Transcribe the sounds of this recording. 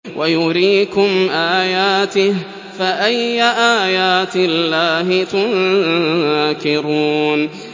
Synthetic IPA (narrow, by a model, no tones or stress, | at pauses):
wʔajʊɾiːkʊmʔaːjaːt̪ɪh | faʔajːaʔaːjaːt̪ɪlːaːɦɪt̪ʊn | akɪɾuːn